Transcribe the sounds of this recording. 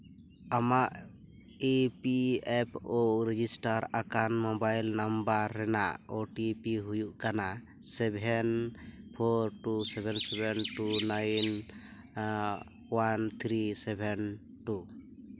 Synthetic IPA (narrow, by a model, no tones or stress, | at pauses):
amaʔ | epiɛpʰoɾɛd͡ʒisʈaɾakanmɔbajlnambaɾːɛna̰ʔoʈipiɦujuʔkana | sɛbʱɛnpʰɔɾʈusɛbʱɛnsɛbʱɛnʈunajn | want̪ʰɾisɛbʱɛn | ʈu